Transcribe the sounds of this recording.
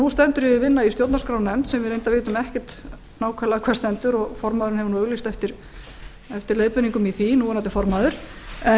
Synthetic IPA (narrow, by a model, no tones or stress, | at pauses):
nust̪ɛnt̪ʏɾɪvɪnːaist̪jowt̪naɾskɾaːwnɛmt̪sɛmvɪðɾejnt̪avɪːt̪ʏmɛhcɪ̥t̪ | naːwkʰvɛɾlaðkʰvɛɾst̪ɛnt̪ʏɾɔɣfɔɾmaðʏɾɪnhɛvʏnuœɣlist̪ɛft̪ɪɾ̥ | ɛft̪ɪɾleːðpʏniŋkʏmiθinuːanat̪ːɪfɔɾmaðʏɾ̥ɛ